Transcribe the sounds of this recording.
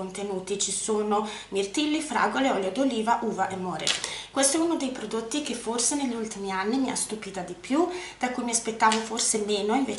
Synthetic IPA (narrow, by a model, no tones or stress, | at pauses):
ont̪enuːt̪it͡ʃisoːno | mirt̪ilːifɾa̰ːɡoleɔljad̪oliːvaʔuːvaʔemːɔːɾḛkwest̪oɛunod̪ejpɾod̪ot̪ːikeforseneʎːult̪imianːimia̰st̪upiːt̪ad̪ipjud̪̥akujmiaspet̪ːaːvoforsemeːnoiɱveː